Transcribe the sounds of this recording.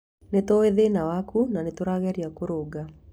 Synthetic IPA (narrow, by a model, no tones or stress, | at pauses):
netoeðenawakunanetoɾaɣɛɾiakoɾoːɡa